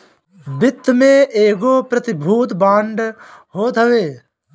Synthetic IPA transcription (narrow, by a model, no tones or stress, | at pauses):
bɪt̪ːmẽʔeːɡoːpɾət̪ɪbʱuːt̪bãːɳɖʱɦoːt̪ɦəʋeː